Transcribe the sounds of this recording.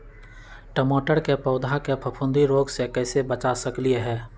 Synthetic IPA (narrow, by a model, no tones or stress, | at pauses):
ʈəmoːʈəɾkepɐʊd̪ʱakepʰəpʰʊ̃nd̪ʱiɾoːɡsekɛːsebət͡ʃasəklieɦɛː